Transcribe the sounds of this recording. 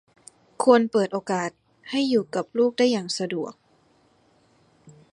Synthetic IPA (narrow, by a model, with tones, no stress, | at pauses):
kʰu˧ənpɤː˨˩t̪̚ʔoː˧kaː˨˩t̪̚ | ha˥˩jːuː˨˩ka˨˩p̚luː˥˩k̚daː˥˩jːaː˨˩ŋsa˧du˨˩ək̚